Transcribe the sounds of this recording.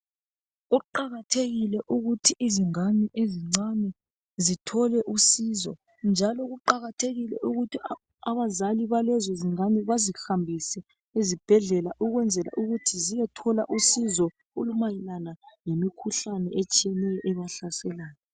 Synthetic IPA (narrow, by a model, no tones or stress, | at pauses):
ɣuǃaɣatʰeɣilɛʔuɣutʰiʔːziŋaniʔeziŋ͡ǀanɛ | zitʰɔlɛʔusizɔ | nd͡ʒʱalɔɣuǃaɣatʰeɣilɛ̰ʔuɣutʰi | aβazaliβalɛzɔziŋaniβazixambʱisɛ | ezib̥ʱɛɮɛlaʔuɣwɛnd͡zʱɛla̰ʔuɣutʰizijɛtʰɔlaʔusizɔ | olumajilanaŋemikʰuɬanɛ̰ʔet͡ʃʼijɛnɛjɔʔɛβaɬasɛlaːnɛ